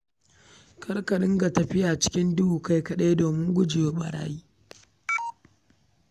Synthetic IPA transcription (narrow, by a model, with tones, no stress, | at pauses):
kʰɐ˦rkɐ˨ɗɪ˦ŋɡa˨tɐ˨ɸɪ˦jaː˨t͡ʃɪ̥˦kʲɪ˦ndʊ˦wuː˨ka˦jkɐ˨ɗeː˦doː˨mɪ˦ŋɡʷʊ˦d͡ʒɪ˨joː˦ɓa˨ɽa̰ː˦jiː˦